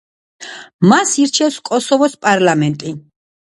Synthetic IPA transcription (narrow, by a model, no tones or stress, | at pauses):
masiɾt͡ʃʰɛfskʼɔsɔvɔspʼaɾlamɛnt̪ʼi